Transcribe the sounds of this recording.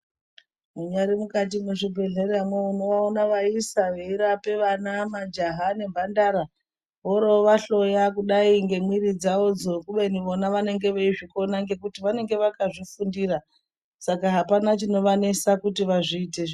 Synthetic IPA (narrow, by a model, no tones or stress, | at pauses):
muɲaɾimukat̬imuʐibʱe̞ɮeɾamweuno̞ʋaonaʋaisaʋeiɾape̞ʋanamad͡ʒaɦane̞bʱandaɾa | ʋoɾoʋaɬo̞jakuɗaiŋɡe̞mwiɾid͡zaod͡zokuɓeniʋo̞naʋane̞ŋɡe̞ʋeiʐiko̞naŋɡe̞kutiʋane̞ŋɡe̞ʋakaʐifundiɾa | sakaɦapanat͡ʃino̞ʋane̞sakutiʋaʐiːte